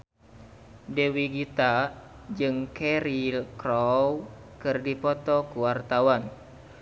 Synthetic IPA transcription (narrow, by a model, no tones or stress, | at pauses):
dewiɡit̪a | d͡ʒɨŋkɛɾilkɾɔwkɨrdipɔt̪ɔkuwart̪awan